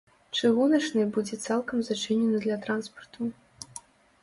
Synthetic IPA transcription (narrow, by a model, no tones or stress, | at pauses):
t͡ʂɨɣunɐt͡ʂnɨjbud͡zʲɛt̪salˠkɐmzat͡ʂɨnʲɛnɨd̪lʲɐt̪ɾanspɐrt̪ʰu